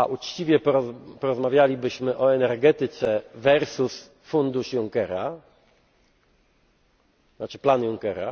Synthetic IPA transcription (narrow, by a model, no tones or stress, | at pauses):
aʔut͡ʂt͡ɕivʲjɛpɔɾɔpɔɾɔzmavʲjalʲibɘɕmɘʔɔɛnɛɾɡɛt̪ɘt̪sɛvɛɾsus | fund̪uʂjuŋkɛɾa | nat͡ʂɘ̥planjuŋkɛɾa̰